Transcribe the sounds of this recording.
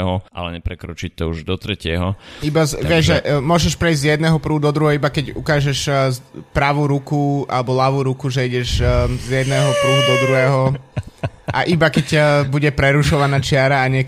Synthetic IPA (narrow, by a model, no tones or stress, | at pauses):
ɦɔʔa̰lɛɲɛpɾɛkɾɔt͡ʃit̪ɔuʒd̪ɔt̪ɾɛcɪɛɦɔibazʋɪɛʒʒɛʔmʊɔʒɛʃpɾɛizzjɛd̪nɛːɦɔpɾuɦud̪ɔd̪ɾuɦɛɦɔibakɛɟṵkaːʒɛʃpɾaʋuɾukua̰lɛbɔlaʋuɾukuʒɛiɟɛʃzjɛd̪nɛːɦɔpɾuɦud̪ɔd̪ɾuɦɛːɦɔ | ʔaʔibakɛcbuɟɛpɾɛɾuʃɔʋanat͡ʃɪaɾaːɲɛ